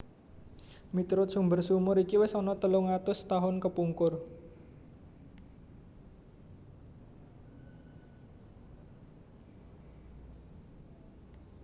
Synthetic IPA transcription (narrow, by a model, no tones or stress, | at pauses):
mit̪ɾʊsumbərsumʊɾikiwɪsɔnɔt̪əluŋat̪ʊst̪aɦʊnkəpuŋkʊr